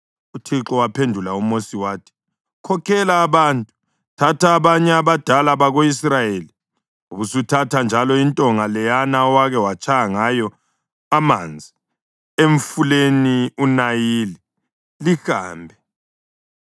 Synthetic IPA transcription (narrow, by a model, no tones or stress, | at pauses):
utʰiǁɔwapʰendʱulaumosiwaːtʰi̥ | kʰɔkʰɛlaːβaːntʼu̥ | tʰatʰaːβaɲɛaβad̥ʱalaβaɣoisrajeli | uβusutʰatʰand͡ʒʱalɔintʼɔŋalɛjanaɔwaɣɛwat͡ʃʰʼajaŋajɔ | amaːnd͡zʱi | eɱfuleniunajili | lihaːmbʱɛ